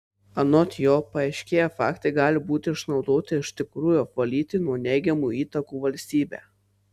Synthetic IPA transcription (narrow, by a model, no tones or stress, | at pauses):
ɐnɔt̪ʲjoːpɐɐɪʃʲkʲeːjɛfɑ̰ːkt̪ɐɪɡɑːlʲɪbuːt̪ʲɪɪʃnɒʊd̪oːt̪ʲɪɪʃʲt̪ʲɪkɾuːjupʋɐlʲiːt̪ʲɪnuɔnʲɛɪɡʲɛmuiːt̪ɐkuːʋɐlʲsʲt̪ʲiːbʲæ̰ː